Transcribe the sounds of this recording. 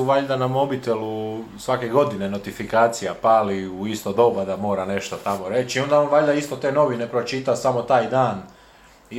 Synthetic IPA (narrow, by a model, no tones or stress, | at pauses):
uʋaʎd̪anamo̞bit̪e̞lusʋake̞ɡo̞d̪ine̞no̞t̪ifikaːt̪sijapaːliuist̪od̪o̞bad̪amo̞ːɾane̞ʃt̪o̞t̪amo̞ɾe̞t͡ʃio̞nd̪aonʋaʎʲd̪aist̪o̞t̪e̞ːno̞ʋine̞pɾo̞t͡ʃit̪asamo̞t̪aːjd̪aːn | i